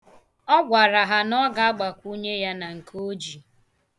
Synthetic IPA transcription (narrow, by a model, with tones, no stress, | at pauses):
ɔ˦ɡʷa˨ɾa˨ɦa˨nɔ˦ɡa˨a˦ɡ͡ba˨kʷu˦ɲe˦ja˦na˨ŋ̩˨kʰo˦d͡ʒi˨